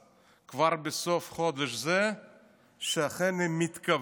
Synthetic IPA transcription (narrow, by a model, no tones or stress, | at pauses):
kvaɾbesofχod̪eʃzɛ | ʃeaχenemit̪kɐv